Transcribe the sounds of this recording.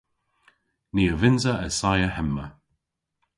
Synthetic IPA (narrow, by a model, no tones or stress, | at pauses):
niːəvɪnzəəsajəhɛmːə